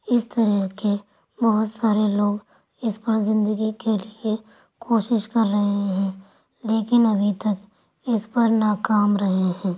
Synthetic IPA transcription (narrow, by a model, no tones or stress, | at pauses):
ɪst̪ɐɾəɦke | bɐɦʊt̪saːɾeloːɡ | ɪspəɾzɪ̃nd̪əɡikelie | kʰoːʃɪʃkɐɾːɐɦeɦɛ̃ː | leːkɪnɐbʱit̪ɐk | ɪspɐɾnaːkaːmɾɐɦeɦɛ̃ː